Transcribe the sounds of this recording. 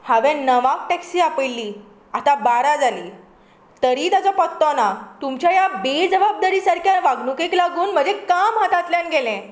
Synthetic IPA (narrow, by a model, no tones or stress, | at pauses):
haʋɛ̃nəʋãk̚ʈɛksiːapəjlːiː | at̪abaɾad͡zalḭː | t̪əɾiːt̪at͡sɔpət̪ːɔnat̪umt͡ɕjajabed͡zəʋab̚d̪aɾiːsaɾkʰjaʋaɡnukeklaɡuːnm̤ə̃ɳd͡zekamɦat̪at̪ljãnɡʱelɛ̃